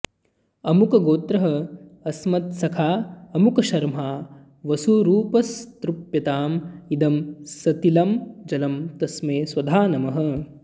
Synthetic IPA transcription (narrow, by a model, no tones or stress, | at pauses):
ɐmukɐɡoːt̪ɾɐɦɐɐsmɐt̪sɐkʰaːɐmukɐʃɐɾmɦaː | ʋɐsuɾuːpɐst̪ɾupjɐt̪aːmid̪ɐmsɐt̪ilɐmd͡ʒɐlɐmt̪ɐsmeːsʋɐd̪ʱaːnɐmɐɦɐ̆